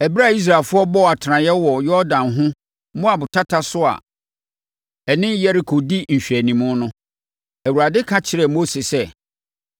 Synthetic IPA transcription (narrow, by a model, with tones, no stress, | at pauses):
æ˨bi˦ɾa˦˨i˦s̬ɾa˨lfʊ˦ɔ˦bɔ˦˨a˨tʰɪ˨ɾã˨jɛ˦wɔ˨jɔ˦dã˨nɦʊ̃˦ | mʊ̃˦a˨bʊ˨tʰa˦tʰa˦sʊ˦a̰˨ | ɛ˨nɪ̃˦jɛ˦ɾi˨kʰo˨di˦n̩˨ɕᶣi˨æ˨nĩ˨mʊ̃˦nʊ̃˦ | æ˨wu˨ɾa˨dɪ˦kʰa˦t͡ɕʰɪ˨ɾɛ˨mo˦se˨sɛ˦